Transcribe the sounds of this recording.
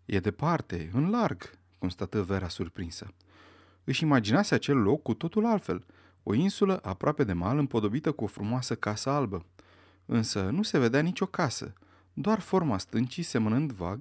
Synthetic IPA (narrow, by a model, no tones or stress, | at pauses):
jʔed̪e̞part̪e̞ɨnlarɡ | ko̞nst̪at̪əve̞ɾasurpɾinsə̰ | ɨʃimad͡ʒinaseat͡ʃe̞lːo̞kːut̪o̞t̪ulalt̪fe̞̰l | o̞̰insuləʔapɾoape̞d̪e̞malɨmpo̞d̪o̞bit̪əkuo̞fɾumoasəkasəalbə | ɨnsənuse̞ve̞d̪eanit͡ʃʲo̞kasə̰ | d̪oarfo̞rmast̪ɨnt͡ʃise̞mənɨnd̪va̰ɡ